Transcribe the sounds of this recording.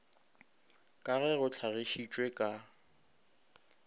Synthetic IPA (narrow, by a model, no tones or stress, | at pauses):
kʼaɣɛɣʊt͡ɬʰaɣeʃit͡ʃʼwekʼa